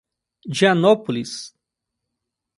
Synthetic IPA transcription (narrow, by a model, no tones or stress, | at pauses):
d͡ʒanopulis